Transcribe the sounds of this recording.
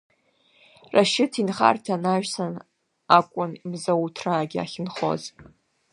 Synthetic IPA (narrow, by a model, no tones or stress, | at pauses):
raʃɪtʰinχa̰rtʰanaʒᶣsan | akʷʼʊnimzawtʰraːɡʲɪa̰χʲɪnχo̞̰z